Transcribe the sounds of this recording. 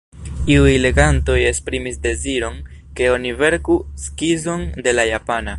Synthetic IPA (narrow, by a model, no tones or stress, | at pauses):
iujle̞ɡanto̞je̞spɾimisde̞ziɾo̞nke̞o̞nive̞ɾkuskizo̞nde̞lajapana